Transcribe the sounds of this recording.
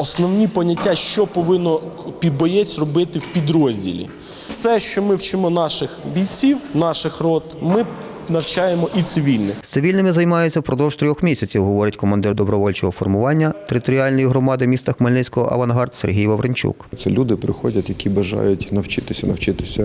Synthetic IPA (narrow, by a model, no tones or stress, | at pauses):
ɔsnɔwnʲipɔnʲɐtʲːaʃt͡ʃɔpɔʋɪnːɔpʲid̪̚bɔjɛt͡sʲrɔbɪt̪ɪwpʲid̪ɾɔzʲdʲḭlʲḭ | fsɛʃt͡ʃɔmɪwt͡ʃɪmɔnɑʃɪxbʲijt͡sʲiwnɑʃɪxrɔt̪mɪ | nɐwt͡ʃɑjemɔʔit̪sɪʋʲilʲnɪxssɪʋʲilʲnɪmɪzɐjmɑjʊt͡sʲːɐwpɾɔd̪ɔwʒ̥t̪ɾʲɔxmʲisʲɐt͡sʲiwɦɔʋɔɾʲɐtʲkɔmɐnd̪ɪrd̪ɔbɾɔʋɔlʲt͡ʃɔɦɔfɔrmʊʋɑnʲːɐt̪eɾɪt̪ɔɾʲiɑlʲnɔjiɦɾɔmɑd̪ɪwmʲist̪ɐxmɐlʲnɪsʲkɔɦɔ̰ʔɐ̰ʋɐnɦɑrt̪serɦʲijʋɐʋɾenʲt͡ʃṵkt̪sɛlʲud̪ɪpɾɪxɔdʲɐt̪jɐkʲibɐʒɑ̰jʊtʲnɐwt͡ʃɪt̪ɪsʲɐnɐwt͡ʃɪt̪ɪsʲɐ